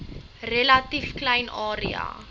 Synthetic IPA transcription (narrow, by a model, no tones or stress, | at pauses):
relɐtifklɛjnʔɑːɾiɑ̰ː